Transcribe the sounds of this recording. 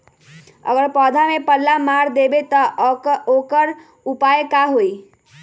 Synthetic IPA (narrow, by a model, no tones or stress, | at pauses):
ə̰ɡəɾpɔd̪ʱamepəlːamaɾd̪ebet̪ɔokəɾ | upaekaɦoi